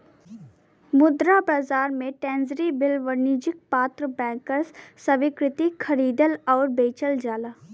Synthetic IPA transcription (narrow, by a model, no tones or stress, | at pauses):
mʊd̪ɾabaːzaːɾmẽʈɛ̃ːnzɾibɪlʋəniːd͡ʒɪk̚paːt̪ɾəbɛ̃ːŋkəɾssəʋɪkɾɪt̪ikʰɐɾiːd̪əlɔːɾbeːt͡ʃəld͡ʒaːlaː